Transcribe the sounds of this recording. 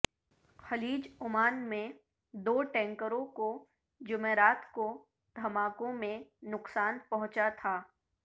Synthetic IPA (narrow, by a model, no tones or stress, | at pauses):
xɐliːd͡ʒʊmaːnmẽ | d̪oːʈɛ̃ːŋkəɾõko | d͡ʒʊmeːɾaːt̪ko | d̪ʱɐmaːkõmẽnʊqsaːnpɐɦʊ̃t͡ʃat̪ʰaː